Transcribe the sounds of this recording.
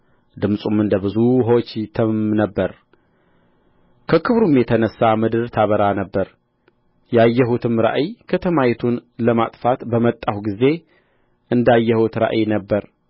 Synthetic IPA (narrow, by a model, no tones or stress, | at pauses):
d̪ɨmsʼumɨnd̪əbɨzuɦot͡ʃːt̪ʰɨmnəbːəɾ | kʰəkʰɨβɾumjɛt̪ʰənəsːamɨd̪ɨɾt̪ʰaβəɾanəbːəɾ | jajːəɦut̪ʰɨmɾa̰ʔikʰət̪ʰəmajt̪ʰunləmat̪ʼfat̪bəmət̪ʼːahɡize̞ | ʔɨnd̪ajːɛhut̪ɾa̰ʔinəbːəɾ